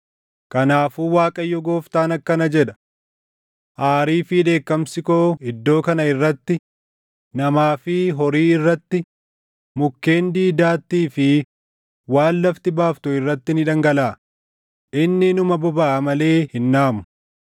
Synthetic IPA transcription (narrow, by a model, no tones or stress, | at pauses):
kɐnaːfuːwaːkʼɐjːɔɡoːft̪aːnɐkːɐnɐd͡ʒɛᶑɐ̥ | ʔaːɾiːfɪᶑ̪e̞ːkːɐmsɪkoːɪd̪ːo̞ːkɐnɐɪrːɐt̪ːɪ | nɐmaːfɪɦɔɾiːɪrːɐt̪ːɪ | mʊkːe̞ːnd̪iːd̪aːt̪ːiːfɪ | waːnlɐft̪ɪbaːft̪ʊɪrːɐt̪ːɪnɪᶑɐŋɡɐlaː | ʔɪnːɪnʊmɐbɔbaːʔɐmɐle̞ːhɪnːaːmʊ̥